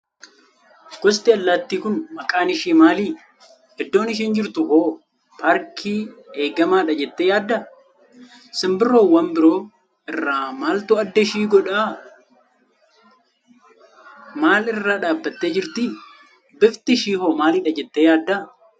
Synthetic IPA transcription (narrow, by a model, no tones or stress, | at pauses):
ɡ̥ɔst̪ɪɐlːat̪ːiːkʊnmɐkʼaːnɪʃiːmaːliː | ɛd̪ːoːnɪʃ̬iːnd͡ʒɪɾt̪ʊhoː | paːɾkʰiːeːɡɐmaːᶑɐd͡ʒɛt̪ːeːjaːd̪ːɐ | sɪmbɪro̞ːwɐmbɪɾo̞ː | ɪrːaːmaːlt̪ʊɐd̪ːɐʃiːɡɔᶑaː | maːlɪrːaːᶑaːbːɐt̪ːe̞ːd͡ʒɪɾt̪ɪ | bɪft̪ɪʃiːhoːmaːlɪᶑɐd͡ʒɛt̪ːeːjaːd̪ːɐ